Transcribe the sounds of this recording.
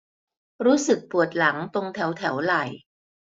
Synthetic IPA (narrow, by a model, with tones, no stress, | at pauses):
ɾuː˦˥sɯ˨˩k̚pu˨˩ət̪̚la˩˦ŋt̪o˧ŋt̪ʰɛ˩˦wt̪ʰɛ˩˦wla˨˩j